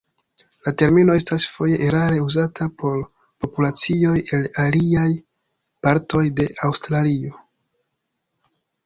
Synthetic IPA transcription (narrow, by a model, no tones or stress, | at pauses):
late̞ɾmino̞e̞stasfo̞je̞ʔeɾaɾe̞uzatʰapo̞ɾ | po̞pulat͡sio̞je̞laliaj | paɾtʰo̞jde̞ʔawstɾalio̞